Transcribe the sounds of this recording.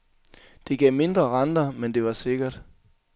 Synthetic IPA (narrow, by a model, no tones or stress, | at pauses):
d̥e̝ɡ̥ɛ̰ːme̝nd̥ʁɐʁɑnd̥ɐmend̥e̝ʋɑ̈se̝ɡ̥ɐd̥